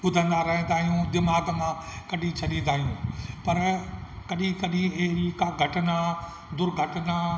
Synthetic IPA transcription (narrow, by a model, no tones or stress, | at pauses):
ʊd̪ʱə̃nd̪aɾɐɦə̃nd̪aːɦijũd̪ɪmaːɡə̃nd̪akɐɖʱĩt͡ɕʰɐɗĩnd̪ʱaːɦijũːpɐɾkɐɗĩkɐɗĩɐɦɪɾikaɡʱɐʈɪnaː | d̪ʊɾɡʱɐʈɪna